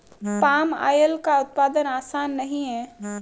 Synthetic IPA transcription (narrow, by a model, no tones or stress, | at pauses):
paːma̰ːjəlkaʊt̪̚paːd̪ənaːsaːnːəɦĩɦɛː